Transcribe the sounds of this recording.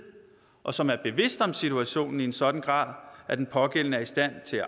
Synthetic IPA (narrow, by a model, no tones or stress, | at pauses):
ʔɒ̽sɒ̽mæɐb̥e̝ʋe̝sd̥ɒ̽msit͡sʰuæɕo̝̰ːnn̩iensɒ̽d̥n̩ɡ̥ʁɑ̰̈ːðˠæɐd̥enpʰɒ̽ɡ̥en̰nəæɐisd̥æn̰t͡sʰe̝æ